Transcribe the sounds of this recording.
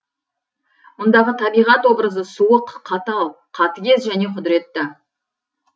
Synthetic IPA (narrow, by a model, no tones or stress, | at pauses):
mʊnd̪ɑʁət̪ʰɑbijʁɑt̪wo̞bɾəzəsuwəqʰːɑt̪əɑlˠqʰɑt̪əɡʲe̞zʒæne̞qʰʊd̪ɪɾe̞t̪ːɪ